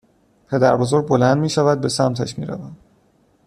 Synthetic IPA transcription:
pʰe̞d̪æɾbozoɾbo̞lænd̪miːʃævæd̪̚be̞sæmt̪ʰæʃmḭːɾæ̰væm

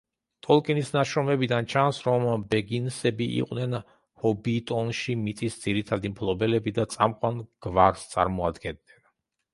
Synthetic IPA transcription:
t̪ʼɔlˠkʼɛnisnaʃɾɔmɛbid̪ant͡ʃʰansɾɔmbɛɡinsɛbiʔḭqʼwnɛn | hɔbit̪ʼɔnʃimit̪sʼisd̪z̥iɾit̪ʰad̪impʰlˠɔbɛlɛbid̪at̪sʼamqʼwanɡ̥vaɾst̪sʼa̰ɾmɔad̪ɡɛnːɛn

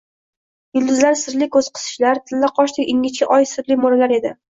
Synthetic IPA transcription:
ɡɪlˠd̪ɪzlaɾsɪɾlɪkʰɵz̥qʰɨ̥sɪ̥ʃlaɾt̪ʰɪnlaqʰɒʃt̪ɪkʲɪŋʲɪt͡ʃʲɪʔɒjsɪɾlɪmɒlalaɾe̞d̪ɪ

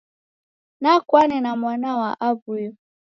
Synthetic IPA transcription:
nakwanɛnamwanawaʔabujɔ

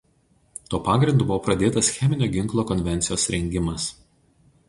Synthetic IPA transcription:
t̪oːpɑːɡɾʲɪnd̪uːbʊʋoːpɾɐd̪ʲeːt̪ɐsxʲɛmʲɪnʲoːɡʲɪŋˑklˠoːkɔnʲʋʲɛnʲt̪sʲɪjoːsɾʲɛŋʲɡʲɪmɐs

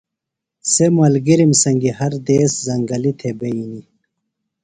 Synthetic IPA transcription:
semɐlɡiɾimsɐŋɡihɐɾd̪eːszɐŋɡɐlit̪ʰebejini

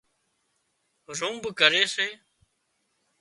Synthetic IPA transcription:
ɾũːmbkəɾeːseː

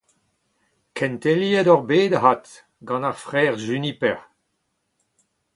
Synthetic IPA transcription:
kʰɛ̃nt̪eliɛdɔʁbeːd̪aɦat̪ | ɡɑ̃naʁfʁɛːʁʒynipɛʁ

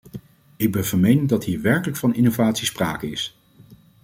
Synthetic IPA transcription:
ɪɡ̚bɛnvəɹmejnɪŋdɑtɦiːɹʋɛɹkələkfɑnɪnovaːtsispraːkəɪs

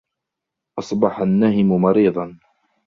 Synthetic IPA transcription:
ʔɑsˤbɑħanːahɪmʊmɑɾiːd̪ˤɑn

